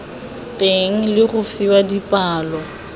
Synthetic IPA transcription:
tʼeŋ̩lɪɣʊfiwadipʼaːlɔ

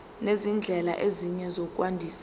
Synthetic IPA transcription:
nezind͡ɮʱɛla̰ʔeziɲɛzokʼwandʱiːs

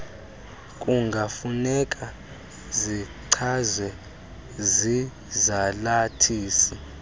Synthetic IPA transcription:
kʼuŋɡʱafunɛkʼa | ziǀʰazwɛ | zi | zalatʰiːsi

